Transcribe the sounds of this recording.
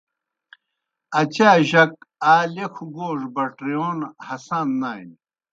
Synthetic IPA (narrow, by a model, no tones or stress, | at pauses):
ɐt͡ɕaːʑɐk̚aːlekʰuɡoːʐbɐʈɾijoːnhɐsaːnːaːj̰n